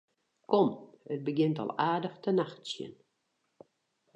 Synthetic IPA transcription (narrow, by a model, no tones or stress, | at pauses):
kɔmət̚bəɡɪntɔ̰lˠaːdəxtənaxtsjə̰n